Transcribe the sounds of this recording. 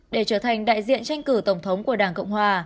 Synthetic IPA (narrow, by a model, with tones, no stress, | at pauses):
ɗe˧˩t͡ɕəː˧˩t̪ʰa˨˩jŋ̟ɗa̰ː˧˨jzḭ˧˨ənt͡ɕa˧jŋ̟kɨ˧˩t̪ə˧˩wŋ͡mt̪ʰə˨˦wŋ͡mku˧˩əɗaː˧˩nkə̰˧˨wŋ͡mhwaː˨˩